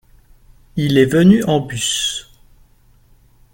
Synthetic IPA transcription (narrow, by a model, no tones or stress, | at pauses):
ilɛvənyʔɑ̃bys